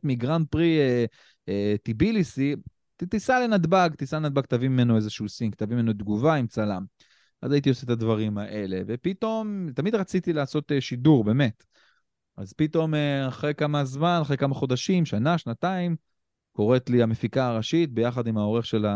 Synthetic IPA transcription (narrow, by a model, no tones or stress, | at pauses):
miɡʁant̚pʁie | et̪ibilisi | tt̪isale̞nad̪baɡt̪isalenad̪baɡt̪avimimenoe̞zeʃuusiŋɡkt̪avimie̞nod̪ɡuvaimt͡salam | ʔa̰zait̪ioset̪ad̪vaʁimaʔe̞le̞vepit̪o̞mtamid̪ʁat͡sit̪ilaːso̞t̪eʃid̪uʁbe̞me̞t̪ | a̰zpit̪o̞meaχʁekamazmanaχekamaχo̞d̪aʃimʃanaʃnat̪aim | ko̞ʁet̪liamefikaːʁaʃit̪̚be̞jaχad̪imao̞ʁe̞χʃe̞la